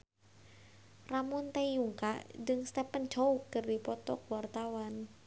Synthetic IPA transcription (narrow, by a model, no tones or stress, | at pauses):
ramʊnt̪ejuŋka̰ʔd͡ʒɨŋst̪ɛpənd͡ʒoukɨrdipɔt̪ɔkwart̪awan